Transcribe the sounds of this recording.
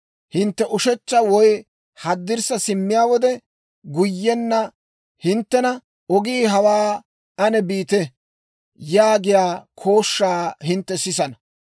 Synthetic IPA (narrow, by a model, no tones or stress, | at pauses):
hɪnt̪ːɛʔʊʃɛt͡ʃːɐwɔj | hɐd̪ːɪɾsɐsɪmːɪjaːwɔd̪ɛ | ɡʊjːɛnːɐ | hɪnt̪ːɛnɐ | ɔɡiːɦɐwaː | ɐnɛbiːt̪ɛ | jaːɡɪjaːkʰo̞ːʃːaːhɪnt̪ːɛsɪsɐnɐ